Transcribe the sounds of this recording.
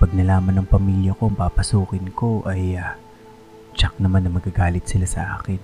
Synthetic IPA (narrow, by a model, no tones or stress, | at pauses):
pɐɡ̚nɐlaːmɐnɐŋpɐmiːljɐko̞ʔɐŋpapɐsuːkɪnko̞ʔɐjɐ | t͡ʃak̚nɐmanːɐmɐɡaɡaːlɪt̪̚sɪlasɐʔa̰ːkɪn